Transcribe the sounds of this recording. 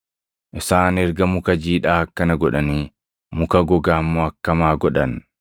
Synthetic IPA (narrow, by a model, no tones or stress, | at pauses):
ʔɪsaːnɛɾɡɐmʊkɐd͡ʒiːᶑaːɐkːɐnɐɡɔᶑɐniː | mʊkɐɡɔɡaːmːɔɐkːɐmaːɡɔᶑɐn